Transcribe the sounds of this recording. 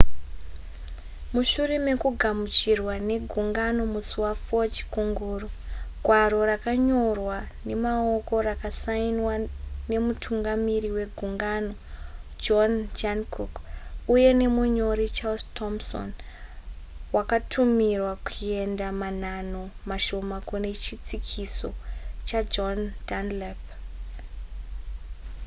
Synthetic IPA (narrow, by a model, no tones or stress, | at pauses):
muʃureme̞kuɡʱamut͡ʃirwane̞ɡʱuŋɡano̞musuwafot͡ʃi̥kuŋɡuːruɡʱwaɾo̞ɾakaɲo̞rwa | ne̞mao̞ko̞rakasainwane̞mutʰuŋɡamiɾiwe̞ɡʱuŋɡano̞d͡ʒond͡ʒankʰokuje̞ne̞muɲo̞ɾit͡ʃalstʰomso̰n | wakatʰumirwakue̞ndamanano̞maʃo̞makune̞t͡ʃit͡sikʰiso̞t͡ʃad͡ʒondanlep